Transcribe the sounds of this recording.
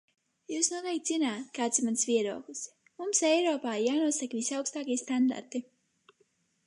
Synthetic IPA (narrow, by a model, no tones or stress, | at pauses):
juːsnuɔt̪ɛjk̚t̪zinaːt̪̚kaːt̪simansvʲiɛɾuɔkɨs | mumsɛjɾɔːpaːjaːnuɔsakvisʲawkst̪aːkʲiɛst̪and̪a̰ɾt̪i